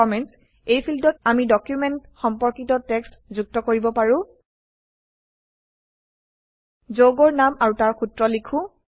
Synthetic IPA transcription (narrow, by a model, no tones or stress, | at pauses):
ɔmɛns | ejpʰildɔtamidɔkjumɛntxɔmpɔɹkitɔtɛkstzuk̚tɔkoɹibɔpaɹʊ̃ | zoɡɔɹnamaɹutaɹxutɹɔlikʰʊ̃